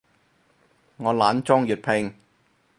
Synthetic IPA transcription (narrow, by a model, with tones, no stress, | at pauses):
ŋɔː˨˧laː˨˥nt͡ʃɔː˥ŋjyː˨˩t̚pʰɪ˧ŋ